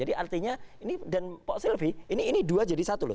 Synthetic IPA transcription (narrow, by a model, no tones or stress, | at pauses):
adiʔart̪iɲainidanpɔʔsilfiiniːniduad͡ʒadisat̪ulʊ